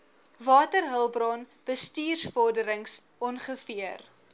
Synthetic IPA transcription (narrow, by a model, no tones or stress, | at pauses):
vɑːtərɦəlˠbrɑn | b̥əstiːrsfɔrdəɾəŋs | ɔnχəfiər